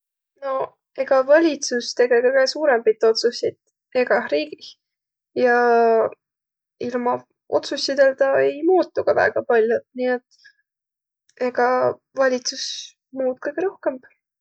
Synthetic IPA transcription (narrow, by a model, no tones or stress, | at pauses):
no̞ | e̞ɡ̥ɑvɑlʲit̪sust̪e̞ɡekɤjɡesuːɾembijt̪ːˑo̞t̪susit̪ | e̞ɡ̥ɑɾiːɡ̥i | jɑ | ilmɑ | o̞̰t̪susʲid̪elt̪ɑe̞jmuːt̪ːuɡ̥ɑvæ̰ːɡ̥ɑpɑlʲjod̪nie̞t̪ːˑ | e̞ɡ̥ɑ | vɑlʲit̪sus | muːt̪̚kɯjɡ̥eɾo̞hke̞mb̥